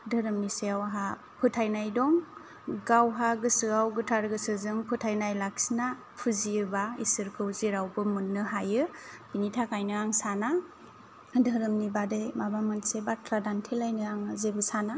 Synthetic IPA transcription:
dɯɾɯmniseawɦa | pʰɯtʰajnajdɔŋ | ɡawɦaɡɯsɯawɡɯtʰaɾɡɯsɯzɯŋpʰɯtʰajnajlak̚sina | pʰɯziɯbaisɯɾkʰɯwziɾawbɯmɯnːɯɦajɯbinitʰakajnɯaŋsana | dɯɾɯmnibadejmabamɯnsebatʰɾadantʰelajnɯaŋɯzebɯsana

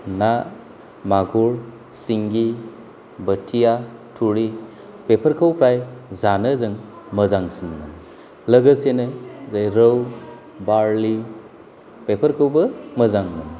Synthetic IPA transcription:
na | maɡuɾ | siŋɡi | bətʰijatʰuɾi | pepʰəɾkʰəwpʰɾajzanəzɯŋ | məzaŋsinnɯn | ləɡəsenɯzajɾəw | baɾli | pepʰəɾkʰəwbɐməzaŋnɯn

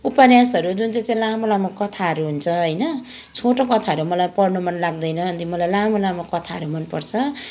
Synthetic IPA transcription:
upanjasʌɾud͡zunt͡saj̃t͡saĩlamolamokʌt̪ʰaʌɾuɦunt͡sʰʌɦʌjnʌ | t͡sʰoʈokʌt̪ʰaʌɾumʌlajpʌɽnumʌnlaɡd̪ʌjnʌʌnt̪imʌlajlamolamokʌt̪ʰaɦʌɾumʌnpʌrt͡sʰʌ

